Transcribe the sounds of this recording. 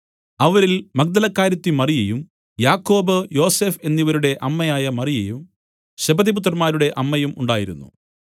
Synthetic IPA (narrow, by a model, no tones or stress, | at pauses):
ɐʋɐɾilmɐk̚d̪ɐlɐkːaːɾjɐt̪ːimɐrijɐjum | jaːkːo̞ːbɨjo̞ːse̞ːfe̞nːiʋɐɾuɽe̞ʔɐmːɐjaːjɐmɐrijɐjum | ɕɐbɐðiput̪̬rɐmaːɾuɽe̞ʔɐmːɐjumṵɳɖaːjiɾṵnːṵ